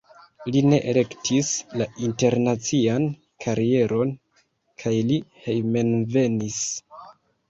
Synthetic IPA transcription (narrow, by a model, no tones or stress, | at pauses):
line̞ʔele̞ktʰislainte̞ɾnat͡sian | kʰaɾie̞ɾʔo̞n | kʰajlihe̞jmenve̞nis